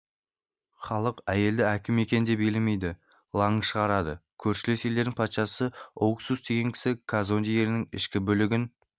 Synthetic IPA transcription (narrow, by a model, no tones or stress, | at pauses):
χɑlˠəqæje̞ld̪ɪækʲɪme̞kʲe̞nd̪e̞be̞lɪme̞jd̪ɪ | lˠɑɴəʃəʁɑɾɑd̪əkʲʰɵɾʃɪle̞seld̪e̞ɾd̪ɪŋpʰɑt̪ʃɑsəoksusd̪e̞ɡʲe̞ŋkʲʰɪ̥sɪkʰazo̞nd̪ʲije̞lɪnɪŋɪ̰ʃkʲɪbɵlɪɡʲɪn